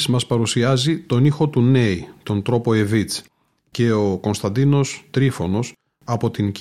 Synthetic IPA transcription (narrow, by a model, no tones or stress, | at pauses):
smɐspɐɾusiɐzit̪o̞nixo̞t̪une̞it̪o̞nt̪ɾo̞po̞e̞vit͡s | ce̞o̞ko̞nst̪ɐnd̪ino̞st̪ɾifo̞no̞s | ɐpo̞t̪inc